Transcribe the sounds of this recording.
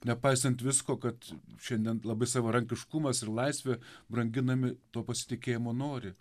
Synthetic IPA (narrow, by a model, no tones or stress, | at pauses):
nʲɛpɐɪsɐnt̪ʋʲɪskoːkɐt̪ʃʲɛnʲd̪ʲiɛnlˠɐbɐɪsɑːʋɐɾɐŋʲkʲɪʃkʊmɐsɪrlˠɐɪsʲʋʲeːbɾɐŋʲɡʲɪnɐmʲɪt̪oːpɐsʲɪ̥t̪ʲɪkʲeːjɪmoːnoːɾʲɪ